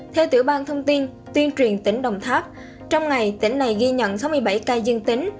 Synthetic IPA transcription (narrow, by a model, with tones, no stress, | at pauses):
t̪ʰɛ˧wt̪ɨ̰˧˩əɓaː˧nt̪ʰə˧wŋ͡mt̪i˧n | t̪wi˧ənt͡ɕwi˨˩ənt̪i˧˥ŋ̟ɗə˨˩wŋ͡mt̪ʰaː˦˥p̚ | t͡ɕɔ˧wŋ͡mŋa˨˩jt̪ḭ˧˩ŋ̟na˨˩jɣi˧ɲə̰˧˨nsa˨˦wmɨ˧əjɓa˧˩jkaː˧jzɨ˧əŋt̪ï˨˦ŋ̟